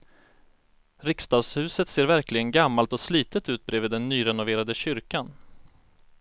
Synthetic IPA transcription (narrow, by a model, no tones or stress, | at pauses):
ɾɪkst̪ɑːɡshʉ̟ːsət̪seːɾvæɾklɪɡənɡamːalt̪ɔsliːt̪ət̪ʉ̟ːt̪̚bɾeːvɪːd̪ːɛnːyːɾɛnʊveːɾad̪əɕʏɾkan